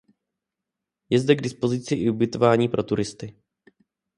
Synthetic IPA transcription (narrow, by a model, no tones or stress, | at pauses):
jɛzdɛɡdɪspo̞zɪt͡sɪʔɪubɪt̪o̞vaːɲiːpɾo̞t̪uɾɪst̪ɪ